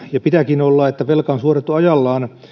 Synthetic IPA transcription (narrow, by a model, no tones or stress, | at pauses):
jɑpit̪ækinolːɑet̪ːæʋelkɑonsuoret̪ːuɑjɑlːɑːn